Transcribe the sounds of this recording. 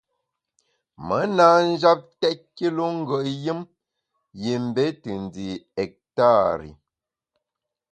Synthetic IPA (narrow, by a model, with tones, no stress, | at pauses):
mə˨˦na˦˨n̩˦d͡ʒa˦p̚tɛ˦ki˦lo˦ŋ̩˦ɡə˨ʔjɨ˦m | je˨m̩˨be˦tɨ˨n˨di˨ɛ˨k̚ta˦˨ɾḭ˨